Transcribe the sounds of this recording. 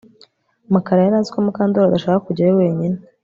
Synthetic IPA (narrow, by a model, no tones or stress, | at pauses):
makaɾajaɾaːnzi̥komukaːndoɾadaʃaːkakuɟaɾowe̞ːɲine